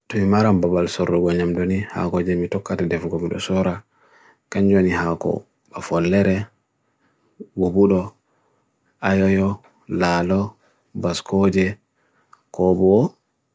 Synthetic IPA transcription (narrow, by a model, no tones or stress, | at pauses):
tɔmimaɾambabalsɔɾːuɡɔɲamdoniha̰kɔd͡ʒɛmitɔkːatadɛfɡɔmiɗɔ̰sɔɾa | kaɲd͡ʒonihakɔ̰ | ba̰fɔlːɛɾɛ | ɡubuɗɔ | ʔajɔjɔ | laːlɔ | baskɔd͡ʒɛ | kɔbɔwɔ